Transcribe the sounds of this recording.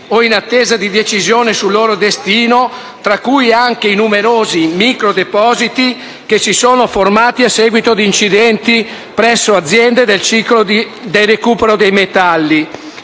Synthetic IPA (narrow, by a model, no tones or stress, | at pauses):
oinat̪ːeːzad̪id̪et͡ʃizjoːnesulːoːɾod̪est̪iːno | t̪ɾakːujaŋkeinumeɾoːzimikɾod̪epɔːzit̪i | k̟esisoːnoformaːt̪iasːɛːɡwit̪od̪int͡ʃid̪ɛnt̪i | pɾɛsːoad̪zːjɛnd̪ed̪elt͡ʃiklo | d̪ejrekuːpeɾod̪ejmet̪alːi